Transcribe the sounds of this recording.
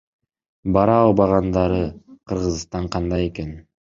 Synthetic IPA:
bɑɾɑːlˠbɑʁɑnd̪ɑɾɯqʰɯɾʁɯzst̪ɑɴqʰɑnd̪ɑje̞ke̞n

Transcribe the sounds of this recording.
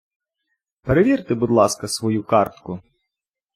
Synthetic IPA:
peɾeʋʲirt̪ɪbud̪lˠɑskɐsʋɔjukɑrt̪kʊ

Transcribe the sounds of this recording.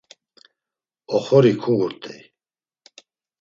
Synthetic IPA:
ɔχɔɾikʰuɡuɾt̪ʼɛj

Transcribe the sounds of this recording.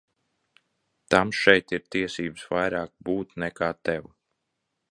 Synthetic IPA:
t̪amʃɛjt̪iɾt̪iɛsiːbsvajɾaːk̚buːt̪nɛkaːt̪ɛw

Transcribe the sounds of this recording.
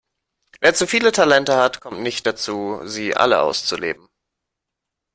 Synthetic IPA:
veːɐt͡sufiːlətʰalɛntəhatkʰɔmtnɪçt̚d̥at͡suːziːʔa̰ləʔa̰ʊst͡sulḛːbm̩

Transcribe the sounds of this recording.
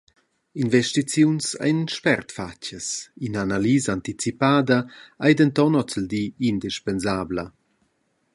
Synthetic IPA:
invɛʃtit͡sjunsa̰jnʃpɛrt̪facəsinanaliːzaant̪it͡sipaːd̪əajd̪ənt̪ɔnɔt͡səld̪iːind̪iʃpɛnzaːblə

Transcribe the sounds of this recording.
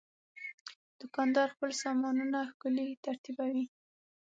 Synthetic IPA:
d̪̥ʊkɑnd̪ɑɾxpəlsɑmɑnunaxkəlit̪aɾt̪ibawi

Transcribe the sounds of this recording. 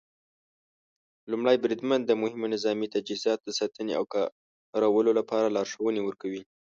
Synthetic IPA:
lumɽajbɾid̪mand̪ːəmʊhɪmonɪzɑmit̪ad͡ʒizɑt̪̚d̪əsɑt̪ənea̰wkɑ | ɾawəlolapɑɾalɑɾʂəwənewəɾkawi

